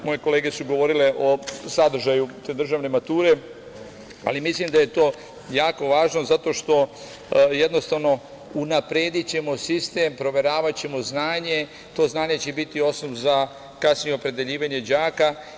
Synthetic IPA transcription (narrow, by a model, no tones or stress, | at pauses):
mo̞jeko̞leːɡe̞suɡo̞ʋo̞ɾileʔo̞sad̪r̩ʒajut̪eːd̪r̩ʒaːʋne̞mat̪uːɾe̞ | a̰limislimd̪aje̞t̪o̞ː | jaːko̞ʋaːʒno̞zat̪o̞ʃt̪o̞ | je̞d̪no̞st̪aʋno̞ | unapɾeːd̪it͡ɕe̞mo̞sist̪e̞ːmpɾo̞ʋe̞ɾaːʋat͡ɕe̞mo̞znaːɲe̞ | t̪o̞ːznaːɲe̞t͡ɕebit̪io̞snoʋza | kasnijeopɾe̞d̪e̞ʎiːʋaɲe̞d͡ʑaːka